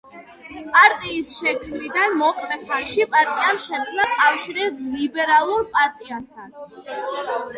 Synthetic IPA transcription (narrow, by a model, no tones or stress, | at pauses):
pʼaɾt̪ʼiːsʃɛkʰmɾid̪anmɔkʼlɛχɛʃipʼaɾt̪ʼiamʃɛt̪kʰnakʼafʃiɾɛblibɛɾalˠuɾpʼaɾt̪ʼiast̪ʰan